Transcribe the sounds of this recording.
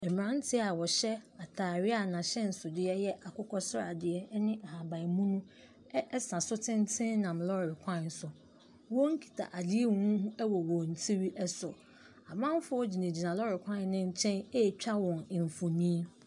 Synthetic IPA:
ɛ˨m˨ɾã˦n̩˦tʰɪ˦a˨wɔ˨ɕɛ˦a˨tʰaː˨ɾɪ˦a˨nã˨ɕɛ˦n̩˨sʊ˨dɪ˦ɛ˦jɛ˦ʔa˨kʰʊ˦kʰɔ˦sʊ˦ɾa̰˨dɪ˨ɛ˦nɪ̃˦a˨hã˨bã˨mũ˦nũ˦ | sã˨sʊ˦tʰɪ̃˦n˦tʰɪ̃˦n˦nã˨mlɔ˦ɾɪ˨kʰʷã˦˨n˨sʊ˨ | wɔ̃˦ŋ̩˦kʰi̥˨tʰa̰˨ʔa˨dɪ˦e˦wɔ̃˨˦n˦ɦũ˦ɛ˦wɔ˨wɔ̃˨n̩˨tʰi˦ɥi˦ʔɛ˦sʊ˨ | a˨bã˦m˦fʊ˦ɔ˦d͡ʑi˨nẽ˨d͡ʑi˨nã˨lɔ˦ɾɪ˨kʰʷã˦n˦nɪ̃˦ɲ̩˦t͡ɕʰɛ̃˦ne˦˨t͡ɕᶣa˦wɔ̃˨n˨m˨fo˨mĩ˦

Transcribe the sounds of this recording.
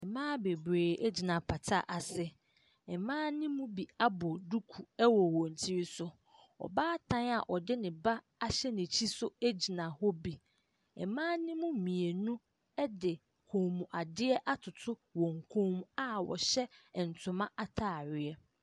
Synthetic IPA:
ɛ˨mãː˦be˨bɾeː˨ʔe˦d͡ʑi˨nã˨pʰa˨tʰa̰˦˨ʔa˨sɪ˦ | ɛ˨mãː˦nɪ̃˦mũ˦bi˨a˦bɔ˨du˦kʰu˨ɛ˦wɔ˨wɔ̃˨n˨tʰi˦ɾi˦sʊ˦ | ɔ̰˨baː˦tʰã˦na˨ʔɔ˨dɪ˦nɪ̃˨ba˦ | a˦ɕɛ˦nɪ̃˨t͡ɕʰi˦sʊ˦e˦d͡ʑi˨nã˨hɔ˦bi˨ | ɛ˨mãː˦nɪ̃˦mũ˦˨mĩ˨e˨nũ˦ | ɛ˦dɪ˨ | kʰõ˨mũ˨ʔa˨dɪ˦ɛ˦ʔa˦tʰʊ˨tʰʊ˦wɔ̃˨ŋ˨kʰõ˦mũ˦a˦wɔ̰˨ɕɛ˦˨n̩˨tʰʊ̃˨mã˦ʔa˦tʰaː˦˨ɥɪ˦ɛ˦

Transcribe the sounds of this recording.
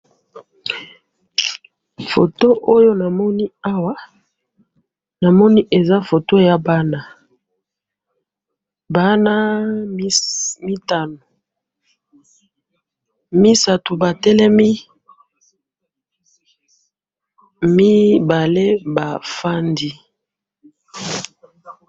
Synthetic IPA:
fo˨to˦ʔo˦jo˦na˨mɔ˦ni˦a˦wa˦ | na˨mɔ˦ni˦ʔe˨za˦fo˨to˦ja˦ba˦na˦ | ba˦na˦ | mi˦ta˨no˨ | mi˦sa˨tu˨ba˨tɛ˦lɛ˦mi˦ | mi˦ba˨le˦ba˨fa˦ndi˦

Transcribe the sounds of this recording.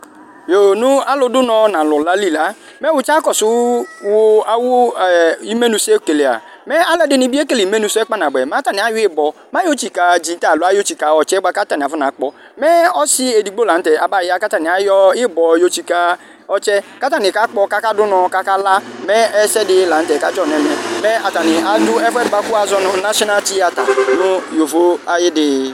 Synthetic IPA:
jo˨nʊ˦a˦lʊ˦dʊ˦nɔ˨nã˨lʊ˨la˦li˦la˦ | mɛ˦wʊ˨t͡ʃa˦kɔ˨sʊ˦wʊ˦a˦wʊ˦˨i˦me˦nu˨se˦ke˨le˨a̰˨ | mɛ˦a˦lɛ˦dɪ˦nɪ˨bi˦e˦ke˦li˨me˦nũ˨sʊ˦ɛ˦k͡pa˦na˨ɡ͡bɛ˨m˦ã˦ta˦˨nɪ˨a˨˦jʊ˦ɪ˦bɔ˨ | mã˦jo˦t͡ʃi˨ka˨d͡ʒi˨n˦ta˦˨lʊ˨˦a˦jo˦t͡ʃi˨ka˨ɔ˨t͡ʃɛ˦ɡ͡ba˦ka˦ta˨nɪ˨a˨va˦n˨a˨˦k͡pɔ˨ | mɛ˦ɔ˦sɪ˦e˨di˨ɡ͡bo˦lã˨n̩˦tɛ˨ʔa˨ba˦˨ɪ˦a˦ka˦ta˨nɪ˨a˨˦jɔ˦ɪ˦bɔ˨jo˨˦t͡ʃi˨ka˦ | ɔ˨t͡ʃɛ˦ka˦ta˦nɪ˨ka˦k͡pɔ˦ka˦ka˦dʊ˦nɔ˨ka˦ka˦la˦mɛ˦ɛ˦sɛ˦dɪ˦lã˨n̩˦tɛ˨ka˦t͡ʃɔ˦˨nɛ˨mɛ˨mɛ˦a˨ta˨nɪ˨a˨du˦ɛ˦fɛ˦dɪ˨ba˦ku˦a˨zɔ˦nʊ˦na˦sna˦t͡ʃi˦a˨ta̰˨nʊ˦jo˨vo˦a˨jɪ˦dɪ˦

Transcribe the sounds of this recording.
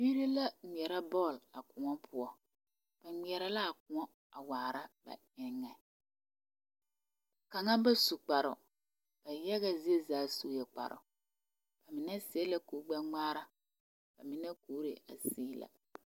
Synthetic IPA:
biː˦ɾi˦la˦ŋ͡mi˨ɛ˨ɾa˦bɔː˦˨la˨kʊ˨ŋɔ˦pʰʊ˦ɔ˦ | b̥a˨mi˨ɛ˨ɾa˦la˦a˨kʊ˨ŋɔ˦ | a˨waː˨ɾa˦ba̰˨ | ɪ˨˦ŋːɛ˨ | ka˨ŋa˦ba˦su˨k͡pa˨ɾʊ̰˨ | b̥a˨jɛ˦ɣa˦zi˦e˦zaː˨˦suː˦jɛ˨k͡pa̰˨ɾʊ̰˨ | b̥a˨mɪ˨nɛ˦si˨˦ɛ˦la˦kuː˨˦ɡ͡bɛ˦ŋ͡maː˦ɾa˦ | b̥a˨mɪ˨nɛ˦kuː˨˦ɾe˨a̰˨siː˦la̰˨

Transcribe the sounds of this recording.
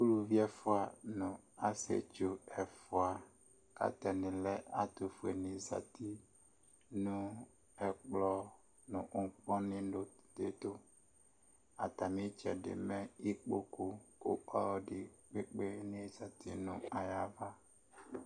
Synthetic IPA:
ku˦lu˨vi˦ɛ˦fʊ˦a˨nʊ̃˨ | a˦sḛ˨t͡ʃo˨ɛ˨fʊ˨a˨ | ka̰˦t̪ɛ˨nɪ̃˨lɛ˦a˦t̪o˨fu˨e˨nĩ˨za˨t̪ʰi˦ | nũ˦ | ɛ˨k͡plɔ˦ | nʊ̃˨ʔŋ˦k͡pɔ˦nɪ̃˦ɖo˦d̪e˨t̪o˦ | a˨t̪a˨mĩ˦t͡ʃɛ̰˨ɖɪ̰˨mɛ̃˦i˦k͡po˦ku˦o̰˦ɔ˦ɖɪ˨k͡pe˦k͡pe˦nĩ˦za˨t̪ʰi˨nṵ̃˨a˨ja˨va˦

